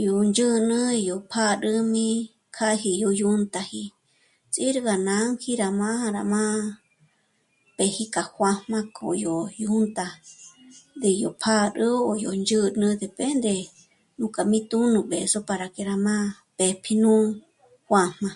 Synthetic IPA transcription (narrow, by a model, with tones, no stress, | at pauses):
jo˨nd͡ʒɨ˦nɨ̃˦˧jo˨pʰa˦ɾɨ˧mĩ˧ | kʰa˦hi˧jo˧ju˦nt̪a˧hi˧ | t͡sʼi˦ɾɡa˨nã˧˦ŋhi˦ɾa˨mã˦a˧ɾa˨mã˦ | pe˨hi˦ka˨xʷa˧hmã˧kʰo̰˨jo˨ju˦nt̪a˧ | d̪e˨jo˨pʰa˦ɾɨ˦o˨jo˨nd͡ʒɨ˦nɨ̃˧d̪e˨pe˦nd̪e˧ | nũ˧ka˨mĩ˦t̪u˦nɨ̃˧be˨so˦pa˧ɾa˨ke˨ɾa˨mã˦ | pe˨pʰi˧nũ˦ | xwa˧m̥mã˧